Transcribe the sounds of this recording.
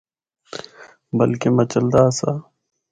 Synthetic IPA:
bəlkemɐt͡ʃəld̪aːsa

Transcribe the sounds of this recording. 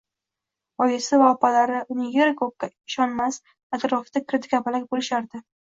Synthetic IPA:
ɒjɪsɪvaɒpalaɾɪʊnɪjeɾkʰok̚kʲːaɪʃɒnmas | at̪ɾoft̪akʲʰɪɾd̪ɪkʰʲapʰalakʲbolɪʃaɾd̪ɪ

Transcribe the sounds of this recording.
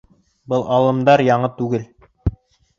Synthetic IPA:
bɤlˠʔɑlˠɤ̆md̪ɑɾjɑɴɤt̪ʉɡɘl

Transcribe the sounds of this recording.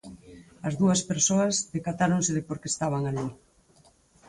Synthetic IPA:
ɐzðuɐspeɾsoɐzðekat̪aɾoŋseðɪpoɾkest̪aβ̞aŋali

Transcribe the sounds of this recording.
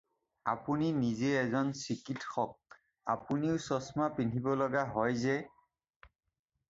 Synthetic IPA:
a̰puninizeɛzɔnsikitxɔk̚ | a̰puniʊsɔsmapintʰibɔlɔɡaɦɔjzɛ

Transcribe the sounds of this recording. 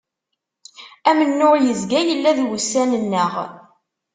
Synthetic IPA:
æmənːʊʁjəzɡæjəlːæðwsænənːəʁ

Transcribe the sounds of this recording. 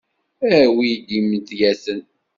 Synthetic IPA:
æwid̪imt̪jæsən

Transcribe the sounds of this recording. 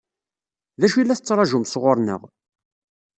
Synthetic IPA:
ðæʃilːæθət͡sːɾˤɑʒʊmsʁʊɾˤnə̰ʁ

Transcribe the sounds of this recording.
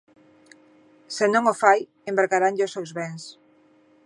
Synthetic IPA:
senõŋofaj | embaɾɣaɾaŋʎʊsewzβɛŋs

